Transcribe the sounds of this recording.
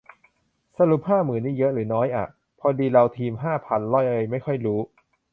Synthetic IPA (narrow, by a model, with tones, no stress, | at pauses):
sa˧ɾu˨˩p̚haː˥˩mɯː˩˦nːiː˥˩jɤ˦˥ʔɾɯː˩˦nɔː˦˥jʔa̰˨˩ | pʰɔ˧diː˧ɾa˧wt̪ʰiː˧mɦaː˥˩pʰa˧nlɔ˥˩jʔɤː˧jma˥˩jxʰɔ˥˩jɾuː˦˥